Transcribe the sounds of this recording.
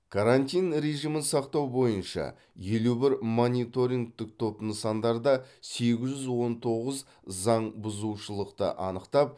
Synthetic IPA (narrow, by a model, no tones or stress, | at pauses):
kʰaɾant̪ʲijnɾe̞ʒimənsɑqt̪ɑwbo̞jənʃɑ̰ | jelubɪɾmo̞nʲit̪o̞ɾʲiŋɡ̚t̪ɪk̚t̪ʰo̞pnəsɑnd̪ɑɾd̪ɑse̞ɡʲɪʒʒʏzwo̞nt̪ʰo̞ʁəz | zɑɴbʊzuʃəlˠəqt̪ə̰ʔɑnəqt̪ɑp̚